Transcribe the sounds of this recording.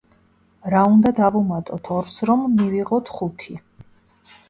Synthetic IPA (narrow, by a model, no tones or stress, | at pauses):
ɾaund̪ad̪avumat̪ʼɔt̪ʰɔɾsɾɔmːiviʁɔt̪ʰχut̪ʰi